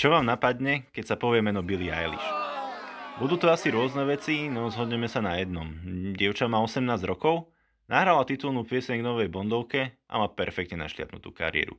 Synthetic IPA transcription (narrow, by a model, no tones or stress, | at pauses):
t͡ʃɔʋaːmnapad̪ɲɛkɛcsapɔʋɪɛmɛnɔbilia̰jlḭʃ | bud̪uːt̪ɔasiɾʊɔznɛʋɛt͡sinɔzɦɔd̪ɲɛmɛsanajɛd̪̚nɔmɟɪɛʊt͡ʃamaːɔsɛmnaːzd͡ʑɾɔkɔʊ | naɦɾalat̪it̪ulnupɪɛsɛɲɡnɔʋɛjbɔnd̪ɔʊkɛʔa̰maːpɛɾfɛk̚t̪ɲɛna̰ʃlɪa̰t̪nṵt̪ṵːka̰ɾḭɛ̰ːɾṵ